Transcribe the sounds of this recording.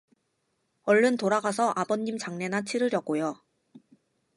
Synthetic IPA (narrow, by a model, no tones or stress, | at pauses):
ʌɭːɯntoɾaɡasʰʌʔabʌɲːimt͡ɕaŋne̞nat͡ɕʰiɾɯɾjʌɡ͈ojo